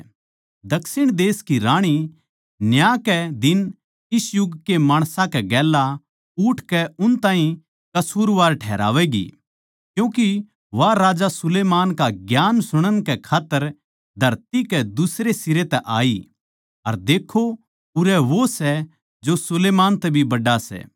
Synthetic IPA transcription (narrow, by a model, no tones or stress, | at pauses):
d̪ɐksɪɽ̃d̪eːskiɾaːɽ̃i | njaːkɛd̪ɪn | ɪsjʊɡkemaːɽ̃sãkɛɡɛːlːa | ʊʈʰkɛʊnt̪ãːɦĩ | kɐsuːɾʋaːɾʈʰɛ̰ːɾa̰ːʋɛɡḭ | kjũːki | ʋaɾaːd͡ʒasʊleːmaːnkaɡjaːnsʊɽ̃ənkɛkʰaːt̪ːəɾ | d̪ʱɐɾt̪ikɛd̪ʊsɾesɪɾet̪ɛʔa̰ːi | ɐɾd̪eːkʰːo | ʊɾɛʋosɛ | d͡ʒosʊleːmaːnt̪ɛbʱibɐɖasɛ̰ː